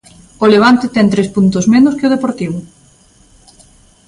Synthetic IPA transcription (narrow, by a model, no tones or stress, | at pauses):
oleβ̞ant̪ɪt̪ɛŋt̪ɾespunt̪ʊsmenʊskɪoðepoɾt̪iβ̞ʊ